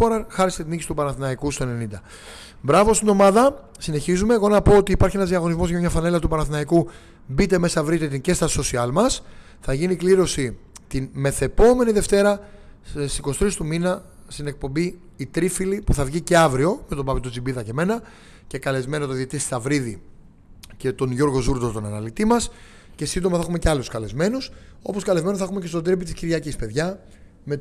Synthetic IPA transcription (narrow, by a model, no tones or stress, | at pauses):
oɾɐxɐɾist̪e̞t̪inicisi̥t̪upɐnɐθinɐikust̪oene̞nind̪ɐ | bɾɐvo̞st̪ino̞mɐðɐ | sine̞çizume̞ːɣonɐpo̞ot̪iːpɐɾçienɐzðiɐɣo̞nizmo̞zʝɐmɲɐfɐne̞lɐt̪upɐnɐθinɐiku | bit̪e̞me̞sɐvɾit̪it̪ince̞st̪ɐso̞siɐlmɐs | θɐʝinikliɾo̞sit̪inme̞θe̞po̞me̞niðe̞ft̪e̞ɾɐ | ssikosi̥t̪ɾist̪uminɐst̪ine̞k̚po̞mbiː | t̪ɾifilipuθɐvʝice̞ɐvɾio̞me̞t̪o̞bɐpit̪od͡zibiðɐceme̞nɐ | ce̞kɐle̞zme̞not̪oðiet̪isɐvɾiði | ce̞t̪o̞nʝo̞ɾɣo̞zuɾd̪ot̪onɐnɐlit̪imɐs | ce̞sind̪o̞mɐθɐxume̞ceɐluskɐle̞zme̞nuso̞̰po̞skɐle̞zme̞noθɐxumecest̪od̪ɾip̬it̪isciɾʝɐcispe̞ðʝɐ | me̞